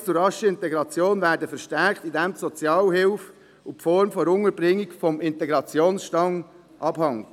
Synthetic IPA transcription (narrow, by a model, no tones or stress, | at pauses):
t͡sʊɾrɑʃəɪntɛɡɾɑt͡sjoːnvæːɾdəfəɾʃtæɾkt̪idɛmsɔt͡sjɑːlɦɪlf | ʊpfɔɾmfɔɾʊŋəɾb̥ɾɪŋːikfɔmɪntɛɡɾɑt͡sjoːnsʃtɑŋ | ʔɑb̥hɑŋ